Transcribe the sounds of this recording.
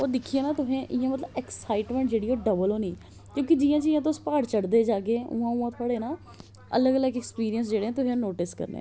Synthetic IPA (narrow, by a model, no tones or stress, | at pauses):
oːɾd̪ɪkʰːieːnaːt̪ʊɦẽːʔɪjãːmət̪ləbɛksaːɪʈmɛ̃ːɳʈ̚d͡ʒeːɽiːoːɖəbəloːniː | kjõːkɪd͡ʒiːjãːt͡ʃiːjãːt̪̬ospaːɽt͡ʃəɽd̪eːd͡ʒaːkeːʊ̰ãːʊãːt̪ʰʊaːɽeːnãː | ə̰ləɡələɡɛkspiːɾijəns̬d͡ʒeːɽeːɛ̃ːt̪̬ʊɦẽːãːnoːʈɪskə̰ɾnḛ̃